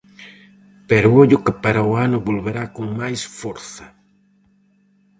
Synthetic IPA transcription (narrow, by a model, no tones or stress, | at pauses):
peɾʊoʎʊkɪpaɾaʊanʊβolβeɾakoŋmajsfoɾθɐ